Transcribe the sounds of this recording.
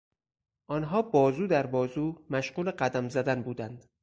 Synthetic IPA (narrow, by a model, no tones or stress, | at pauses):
ʔɒːnɦɒːbɒːzuːd̪æɾbɒːzuːmæʃɢuːleɢæd̪æmzæd̪ænbuːd̪ænd̪̥